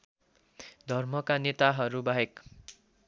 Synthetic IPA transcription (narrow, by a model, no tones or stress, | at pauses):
d̪ʱʌrmʌkanet̪aɦʌɾubaɦek